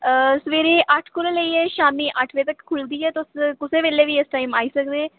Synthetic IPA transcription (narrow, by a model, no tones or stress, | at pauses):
səʋeːɾeːʔəʈʰkʊlõːləiːɛːʃaːmiːʔəʈʰʋeːt̪əkʰːʊld̪iːɦɛːt̪ʊskʊseːʋeːleːʋiːɪsʈaːiːmaːiːsəkd̪eː